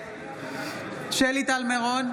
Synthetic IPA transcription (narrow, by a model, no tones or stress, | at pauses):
ʃelit̪almeʁon